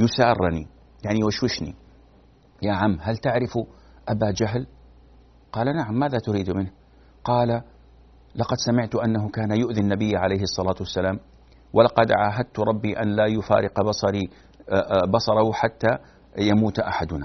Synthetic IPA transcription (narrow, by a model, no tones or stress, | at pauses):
jʊsaːrˤːni | jaʕniwaʃwɪʃnḭ | jaːʕamːɦalt̪aʕɾɪf | ʔabad͡ʒaɦl | qɑːlanaʕamːaːðat̪ʊɾiːd̪mɪnh | qɑːla | lɑqɑd̪samɪʕt̪ʊʔanːaɦʊkaːnajʊʔðɪnːabɪjːaʕalejhɨsˤːɑlaːt̪wasːalaːm | walɑqɑd̪ʕaːɦad̪̚t̪ɾˤɑbːiʔanlaːjʊfa̰ːɾɪqbɑsˤɑɾi | bɑsˤɑɾˤɑhħat̪ːa | jamuːt̪ʔaħad̪ʊna